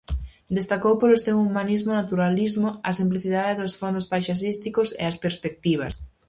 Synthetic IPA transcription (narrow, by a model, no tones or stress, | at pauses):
d̪est̪akowpoɾosewumãnizmonat̪uɾalizmoɐsimpliθiðaðeðosfond̪ospajʃas̬ist̪ikosḛaspeɾspek̚t̪iβ̞ɐ̰s